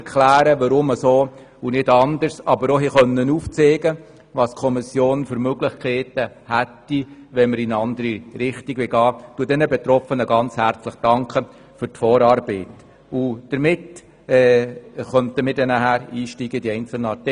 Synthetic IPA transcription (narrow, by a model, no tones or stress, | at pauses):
kʰlæːɾəʋɑɾʊməsoː | unɪdɑndəɾsɑbəɾɔɦiχœnːənuːft͡sɛːɡə | ʋɑːskʰɔmɪsjoːnfʏɾmøɡlɪχkʰɛːtə | hætːiʋɛnməɾɪnɑndəɾiɾɪχtiɡʋɪlɡɑːtuədɛnəbɛt̪ɾɔfənəɡɑnt͡shæɾt͡sləχd̥ɑŋkχə | fʏrtfɔːɾɑːɾbɛɪt | ud̥əɾmɪt | ɛːχœntəmɪdɛnæɦæːɾiːʃtiːɡədiɛɪnt͡səl̩nəɑt